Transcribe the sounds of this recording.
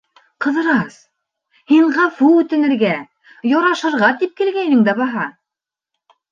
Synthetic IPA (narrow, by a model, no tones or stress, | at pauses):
qɤ̆ðɤ̆ɾɑs | hiɴʁɑfuʉt̪ɘ̆nɘ̆ɾɡæ | jɑɾɑʃɤ̆ɾʁɑt̪ip̚kɘ̆lɡæjnɘŋd̪æbɑɦɑ